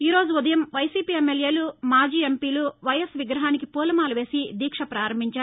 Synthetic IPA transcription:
iːɾo̞ːd͡ʒuud̪ɐjɐmʋɐjsiːpiːemːelje̞ːlumaːd͡ʒiːempiːluʋɐjɐsʋiɡɾɐɦaːnikipuːlɐmaːluʋe̞ːsid̪iːkʂɐpɾaːɾɐmbʱiɲt͡ʃaː

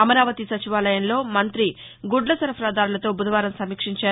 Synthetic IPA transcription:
ɐmɐɾaːʋɐt̪isɐt͡ʃiʋaːlɐjɐnlo̞ːmɐnt̪ɾi | ɡuɖlɐsɐɾɐpʰɐɾaːd̪aːɾulɐt̪o̞ːbud̪ʱɐʋaːɾɐmsɐmiːkʂiɲt͡ʃaː

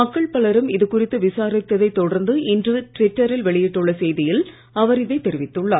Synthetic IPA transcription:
mɐkːɐɭpɐɭɐɾɯmɪðɯkʊrɪt̪ːɯʋɪsaːɾɪt̪ːɐðɐɪt̪ːɔɽɐɾnd̪ɯɪndrɯʈɾɪʈːɐɾɪlʋɛɭɪjɪʈːɯɭːɐsɛjðɪjɪl | ɐʋɐɾɪðɐɪt̪ːɛɾɪʋɪt̪ːɯɭːaː

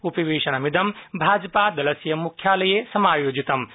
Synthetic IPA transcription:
ʊpɐʋeːʃɐnɐmɪd̪ɐmbʱaːd͡ʒpad̪ɐlɐsijɐmʊkʰjaːlɐjesɐmaːjoːd͡ʑit̪ɐm

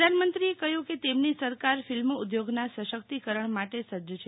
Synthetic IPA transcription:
d̪ʱanmənt̪ɾiekəɦjũket̪emnisəɾkaɾfɪlmud̪joɡnasəʃək̚t̪ikəɾəɳmaʈesəd͡ʒət͡ʃʰe

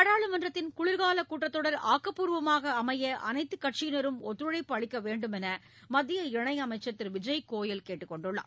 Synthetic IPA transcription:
ɐɽaːɭɯmɐndrɐt̪ːɪnkʊɭɪɾɣaːlɐkuːʈːɐt̪ːɔɽɐɾa̰ːkːɐpːuːɾʋɐmaːɣɐːmɐjɐʔɐ̰nɐɪt̪ːɯkːɐʈt͡ʃɪjnɐɾɯmɔt̪ːɾɯɽɐɪpːɐɻɪkːɐʋeːɳɖɯmɛnɐ | mɐðːɪjɐɪɳɐɪɐmɐɪt͡ʃːɐt̪ːɪɾʋɪd͡ʒɐjkoːjɪlkeːʈːɯkːɔɳɖɯɭːa̰ː

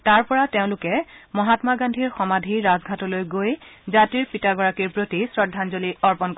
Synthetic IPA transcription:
taɹpɔɹateʊ̃lʊkɛmɔɦatmaɡandʱiɹxɔmadʱiɹazɡʱatɔlojɡojzatiɹpitaɡɔɹakiɹpɹotisɹɔdʱːanzoliɔɹpɔnk

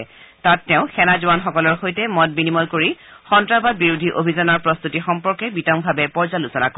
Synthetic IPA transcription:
tatːɛʊ̃xɛnazuanxɔkɔlɔɹxojtɛmɔt̚binimɔjkoɹixɔntɹabad̚biɹudʱiʔobʱizanɔɹpɹɔst̪utixɔmpɔɹkɛbitɔmbʱabɛpɔɹzalusɔna̰ko

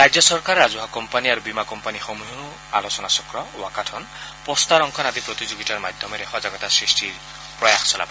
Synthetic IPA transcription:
ɾajd͡ʒjɔsɔɾkaɾazuɦakɔmpaniaɾubimakɔmpanixɔmujuu | a̰lɔsɔnasɔkɾɔwakaʈʰɔn | pɔst̪aɾɔŋkʰɔnad̪ipɾɔt̪izoɡitaɾmad̪ʱjɔmeɾekʰwazaɡɔt̪asɹisʈiɹ | pɾɔjaxsɔla̰bɔ

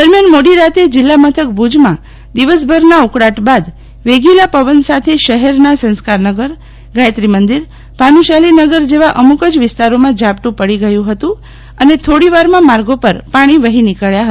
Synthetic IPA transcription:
d̪əɾmjanmoɽiɾat̪ed͡ʒɪlːamət̪ʰək̚bʱud͡ʒmã | d̪iʋəs̬bʱəɾnaukɽaʈbad̪ | ʋeɡilapəʋənsat̪ʰeʃəɦɛɾnasə̃nskaɾnəɡəɾ | ɡajt̪ɾimənd̪iɾ | panũʃalinəɡəɾd͡ʒeʋaʔəmukəd͡ʒʋɪst̪aɾomãd͡ʒapʈ̪ũpəɽiɡəjũɦət̪ũ | ənet̪ʰoɽiʋaɾmãmaɾɡopəɾpaɽ̃iʋəɦinikəɭjaɦə

